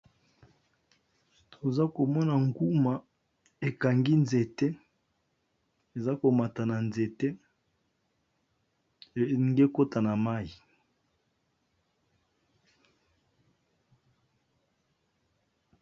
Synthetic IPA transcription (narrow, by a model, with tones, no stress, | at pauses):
tʰo˨za˦ko˨mɔ˦na˨ŋɡu˦ma˨ | e˨ka˨ŋɡi˦nze˨te˦ | e˨za˦ko˨ma˨ta˨na˨nze˨te˦˨ | ŋɡe˦ko˦ta˨na˨ma˦i˨